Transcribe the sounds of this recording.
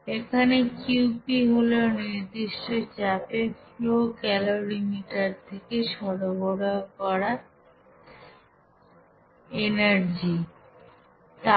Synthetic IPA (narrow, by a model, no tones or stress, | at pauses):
ekʰanekupiɦoloniɾd̪iʃʈot͡ɕapefokɛloɾimiʈaɾt̪ʰekeʃɔɾoboɽakɔɾa | enaɾd͡ʑi | t̪a